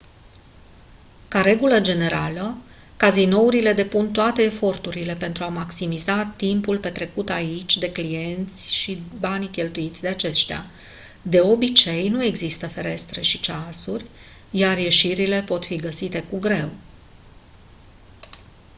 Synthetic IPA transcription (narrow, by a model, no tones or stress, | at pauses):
kaɾe̞ɡuləd͡ʒe̞ne̞ɾalə | kazino̞uɾile̞d̪e̞punt̪oat̪e̞ːfo̞rt̪uɾile̞pe̞nt̪ɾuamaksimizat̪impulpe̞t̪ɾe̞kut̪ait͡ʃʲd̪e̞klije̞nt̪sʲʃibankʲe̞lt̪uit̪sʲd̪e̞at͡ʃe̞ʃt̪ea̰ | d̪e̞o̞bit͡ʃe̞jnue̞ɡzist̪əfe̞ɾe̞st̪ɾe̞ʃit͡ʃasurʲ | jarje̞ʃiɾile̞po̞t̪fiɡəsit̪e̞kuɡɾe̞w